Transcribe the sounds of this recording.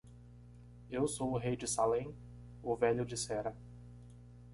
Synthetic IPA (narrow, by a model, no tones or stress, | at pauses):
ewsowʊɦejd͡ʒɪsalẽj̃ | ʊvɛʎʊd͡ʒɪsɛɾɐ